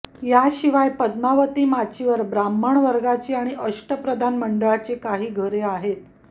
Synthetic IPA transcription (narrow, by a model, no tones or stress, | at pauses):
jaɕiʋajpəd̪naʋət̪iːmat͡ɕiʋəɾbɾaməɳʋəɾɡat͡ɕiːaɽ̃iʔəʂʈəpɾəd̪ʱanməɳɖəɭat͡ɕekaɦiːɡʱəɾeaɦet̪̚